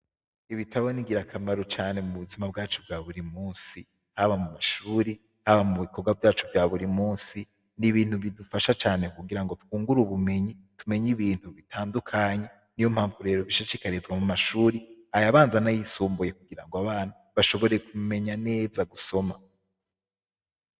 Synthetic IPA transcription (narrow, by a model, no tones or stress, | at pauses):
iβitʰaβoniɡiɾakʰamaɾot͡ʃaːne̞muβuzimabɡaːt͡ʃobɡaːβuɾimuːnsihaβamumaʃuːɾi | haβamuβikʰo̞ɡwavjaːt͡ʃovjaːβuɾimuːnsiniβiːnhuβidufaʃat͡ʃaːne̞kuɡiɾaŋɡo̞tu̥kuːŋɡuɾuβume̞ɲi | tume̞ɲiβiːn̥huβitʰaːndukʰaɲe | nijo̞m̥haːɱvuɾe̞ːɾoβiʃiʃikaɾezɡwamumaʃuːɾi | ajaβaːnzanajisuːmbuje̞kuɡiɾaŋɡoaβaːnaβaʃo̞βo̞ɾe̞kume̞ɲane̞ːzaɡuso̞ma